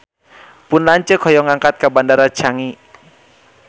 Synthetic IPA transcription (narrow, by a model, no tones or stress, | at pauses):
punlaɲt͡ʃəkʰɔjɔŋaŋkat̪̚kabandaɾat͡ʃaŋi